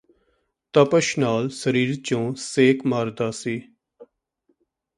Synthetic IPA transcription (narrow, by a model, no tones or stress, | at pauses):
t̪əpəʃnaːlsəɾiːɾt͡ʃõːseːkʰmaːɾd̪aːsiː